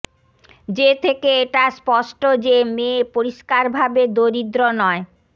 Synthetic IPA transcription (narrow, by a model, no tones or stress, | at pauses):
d͡ʑet̪ʰekeeʈaspɔʃʈod͡ʑemepoɾiʃkaɾbʱabed̪oɾid̪ɾonɔe